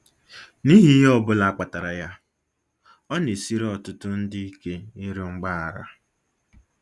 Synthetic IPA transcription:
ni˦ɦi˦ɦɔ˦bʊ˦la˨a˦k͡pa˨ta˨ɾa˨ja˦ | ɔ˦ne˨si˦ɾe˦ɔ˨tʊ˦tʊ˦n̩˦dɪ˦i˦ke˦i˦ɾo˦ŋ͡m̩˦ɡ͡ba˦a˨ɾa̰˦

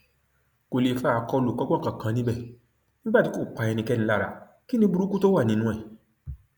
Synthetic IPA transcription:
ko˨le˨fa˦a˨˧˨kɔ˧lo˨kɔ˦ɡ͡bɔ˦˨kã˨kã˨˦nĩ˦bɛ˦˨ | nĩ˦ɡ͡ba˦ti˨˦ko˦˨k͡pa˧˨ɛ˧nĩ˧kɛ˦nĩ˧˦la˦˨ɾa̰˨˦ | ki˦nĩ˧bu˧ɾu˦ku˦to˦wa˦˨nĩ˨˧˦nũ˦ɛ˦˨

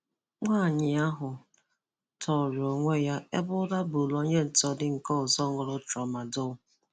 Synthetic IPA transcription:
ŋʷaː˦˨ɲɪ˨a˦ɦʊ˨ | tʰɔ˨ɾo˨ŋʷe˦ja˦e˦bʊ˦da˦bu˨lo˦ɲe˦n̩˨tɔ˦dɪ˦ŋ̩˨kɔ˦ʊ˨zɔ˦ŋʊ˨ɾʊ˦t͡ʃɔ˨ma˨dʊ˦˨

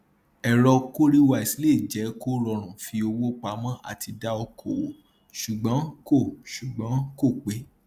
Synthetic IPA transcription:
ɛ˨ɾɔ˧ko˦ɾi˦wa˧˨i˨si˨˦le˦˨d͡ʒɛ˨˦ko˦ɾɔ˧ɾ̃ũ˨fi˧o˧wo˦k͡pa˨˦mã˦ʔa̰˦˨tʰi˧da˦ɔ˧kʰo˨wo˨ | ʃu˨ɡ͡bɔ̃˨˦ko˦˨ʃu˨ɡ͡bã˨˦ko˦˨k͡pe˨˦

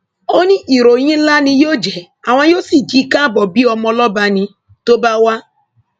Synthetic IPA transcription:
o˦nĩ˦ʔi˨ɾo˨ɲĩ˦la˦nĩ˧jo˦d͡ʒɛ˨a˨ŋʷa˦jo˦si˨d͡ʒi˦ka˦bɔ˨bi˦ɔ˧mɔ˦lɔ˦ba˧nĩ˧ | to˦ba˦wa˦

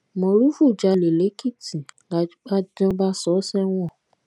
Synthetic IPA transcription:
mɔ̃˨ɾu˦fu˦˨d͡ʒa˧le˨le˨˦ki˦˨tĩ˨la˧˦a˦d͡ʒɔ̃˧˦ba˦sɔ˨˦sɛ˦w̃ɔ̃˦˨

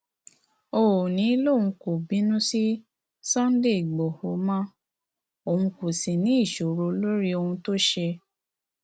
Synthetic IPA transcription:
o˦˨nĩ˨˦lo˦˨ũ˧ko˨bĩ˨˦nũ˦si˦ | sã˦n̩˦de˦˨i˨ɡ͡bɔ˨ho˨˦mã˦ | o˨hũ˧ko˨sĩ˨nĩ˨˦i˦˨ʃo˨ɾo˧lo˦ɾi˦o˧hũ˧to˦ʃe˧

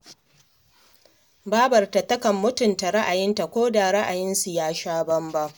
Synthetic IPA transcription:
baː˦bɐ˨rta˨tɐ˦kɐ˨mːʊ˦tʊ˨nta˨ɾa˦ʔa˨jɪ˦nta˨kʷoː˦da˨ɾa˦ʔa˨jɪ˦nsu˨jaː˦ʃaː˦bɐ˦mba˦ʔ

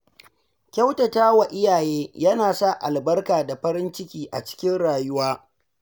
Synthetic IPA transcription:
kʲɐ˦wtɐ˨taː˦wa˨ʔɪ˦jaː˨jeː˦jɐ˦naː˨sa˦ʔa˨lbɐ˦rkaː˨da˨ɸɐ˦ɾɪ˦nt͡ʃɪ˦kʲiː˦ʔa̰˨t͡ʃɪ̥˦kʲɪ˦nɽaː˨jʊ˦waː˦

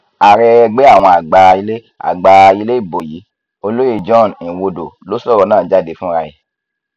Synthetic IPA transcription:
a˨ɾɛ˧ɡ͡be˦a˦˨w̃ɔ̃˧a˨ɡ͡ba˨˧i˧le˦ | a̰˨ɡ͡ba˨˧i˧le˦i˦˨bo˨ji˨˦ | o˧lo˦je˦˨d͡ʒɔ̃˦˨nĩ˨wo˧do˨lo˨˦sɔ˦˨ɾɔ˧˦nãː˦˨d͡ʒa˦˨de˧˦fũ˦ɾa˧je˨

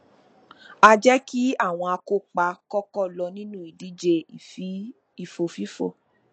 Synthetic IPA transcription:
a˧d͡ʒɛ˦ki˦a˦˨w̃ɔ̃˧a˧ko˧k͡pa˧kɔ˦kɔ˦˨lɔ˧nĩ˦nũ˦i˨di˨˦d͡ʒe˧˨˦ | i˨fo˨fi˨˦fo̰˦˨

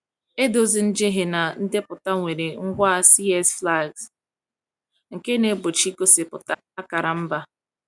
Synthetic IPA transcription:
e˦do˨zi˨n̩˦d͡ʒe˦ɦe˨na˨n̩˦dɪ˦pʊ˨ta˦ŋʷe˨ɾe˨ŋ̩˦ɡʷa˦a˦˨si˦ɛ˦sfla˦˨ɡs | ŋ̩˨ke˦ne˨˦bo˨t͡ʃi˦ko˦sɪ˨pʊ̰˨ta˦a˦ka˨ɾa˨m̩˦ba˦

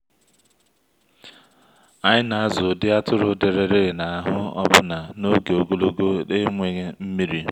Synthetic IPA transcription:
a˦ɲɪ˦na˨a˦zʊ˨dɪ˦a˦tʊ˦ɾʊ˦de˨ɾe˨ɾe˦ɾɪ˨na˨a˨ɦʊ˦ɔ̰˦bʊ˦na˨no˦ɡe˨o˨ɡo˦lo˦ɡo˦e˦ŋʷe˨ɣe˦m̩˦mi˦ɾi˦

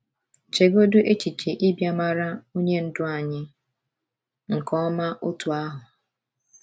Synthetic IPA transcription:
t͡ʃe˨ɡo˦du˦ʔe˦t͡ʃi˨t͡ʃe˨ʔi˦bja˦ma˦ɾa˦u˦ɲe˦n̩˦dʊ˦a˨ɲɪ˦ | ŋ̩˨kɔ˦ma˦ʔʊ˦tʊ˨a˦ɦʊ˨

